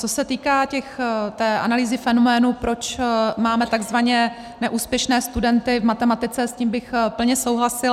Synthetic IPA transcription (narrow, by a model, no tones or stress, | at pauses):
t͡sosɛt̪iːkaːcɛxt̪ɛːʔa̰naliːzɪfɛno̞mɛːnupɾo̞t͡ʃmaːmɛt̪aɡzvaɲɛ | nɛʔuːspjɛʃnɛːst̪udɛnt̪ɪvmat̪ɛmat̪ɪt͡sɛsciːmbɪxpl̩ɲɛso̞wɦlasɪ